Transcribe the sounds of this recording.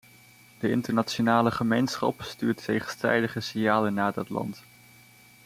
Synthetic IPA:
d̥əɪntəɹnat͡ʃonaːləχəmejnsχɑ̰pstyːɹtːejχənstrɛ̰jdəχəsɪnjaːlənːaːdɑtlɑ̰nt

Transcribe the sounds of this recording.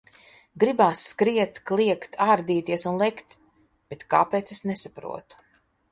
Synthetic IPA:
ɡɾibaːsːkɾiɛt̪klˠiɛkt̪ʰaːɾd̪iːt̪iɛsunlˠɛkt̪ | b̥et̪kaːpeːt̪sesnesapɾṵɔt̪u̥

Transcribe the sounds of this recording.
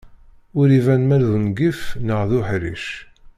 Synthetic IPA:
ʊɾivænmælðənɡifnəʁðuħɾḭʃ

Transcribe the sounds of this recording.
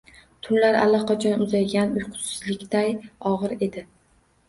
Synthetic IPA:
t̪ʰʊnlaɾa̰lːaqʰɑt͡ʃʰɒnʊzajɡʲanʊjqʰʊ̥t̪sɪzlɪkʲd̪ajɒʁɨɾe̞d̪ɪ

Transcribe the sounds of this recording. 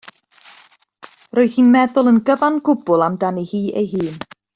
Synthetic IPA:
roɨhiːnmɛðʊlˠənɡəvanɡʊbʊlˠamdanihiːʔḛjɦɨːn

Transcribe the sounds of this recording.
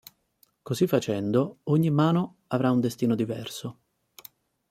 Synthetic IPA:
kozifːat͡ʃɛnd̪ooɲːimːaːno | avɾaund̪est̪iːnod̪ivɛrso

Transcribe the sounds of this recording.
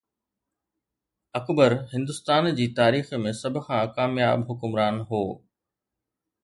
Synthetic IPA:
ɐkbəɾhɪ̃nd̪ʊst̪aːnd͡ʑiːt̪aːɾiːxmẽsɐbʱʊ̆xʰãkaːmjaːbɦʊkʊmɾaːnɦoː

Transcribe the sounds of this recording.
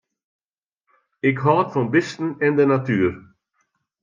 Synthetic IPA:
ɪkɦɑːt̪fɔnbɪst̪n̩ɛnd̪ənat̪yːɾ

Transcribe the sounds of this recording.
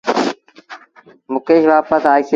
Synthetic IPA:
mʊkeːʃʋaːpəsaːjse

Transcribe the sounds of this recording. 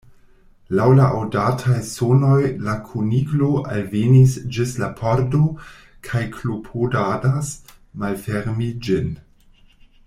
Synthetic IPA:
lawlaʔawdatʰajsono̞jlakʰoniɡlo̞ʔa̰lvenisd͡ʒislapʰoɾdo | kʰajkʰlopʰodadasmalfeɾmid͡ʒin

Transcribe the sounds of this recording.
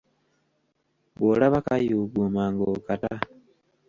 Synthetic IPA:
βolaβakajuɡumaŋɡokata

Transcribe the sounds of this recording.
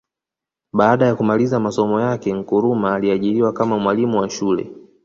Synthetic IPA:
ɓaːɗajakumalizamasɔmɔjakɛŋ̩kuɾumaːliaʄiɾiwakamamwalimuwaʃulɛ̰

